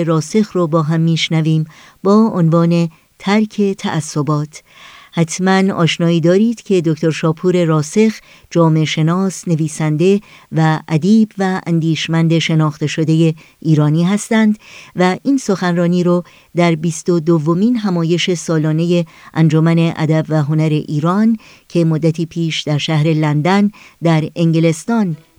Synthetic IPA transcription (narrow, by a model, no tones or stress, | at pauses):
eɾɒːse̞xrobɒːɦæmːiːʃnæviːm | bɒːonvɒːne̞ | t̪ʰæɾcʰe̞t̪ʰæ̰ʔæsːo̞bɒːt̪ʰ | hæt̪ʰmænɒ̰ːʃnɒːiːd̪ɒːɾiːd̪̥cʰe̞d̪okʰt̪ʰo̞ɾʃɒːpʰuːɾe̞ɾɒːse̞x | d͡ʒɒːmeʃe̞nɒːsne̞viːsænd̪e̞væʔæd̪iːbvæʔæ̰nd̪iːʃmænd̪e̞ʃe̞nɒːxt̪e̞ʃo̞d̪e̞je | iːɾɒːniːɦæst̪ænd̪væʔiːnso̞xænrɒːniːɾɔ | d̪æɾbiːst̪od̪ovːo̞miːnɦæmɒːje̞ʃe̞sɒːlɒːne̞je̞ʔænd͡ʒomæne̞ʔæ̰d̪æbvæɦo̞næɾe̞ʔiːɾɒn | cʰe̞mod̪ːæt̪ʰiːpʰiːʃd̪æɾʃæhɾe̞lænd̪ænd̪æɾe̞ŋɟele̞st̪ɒn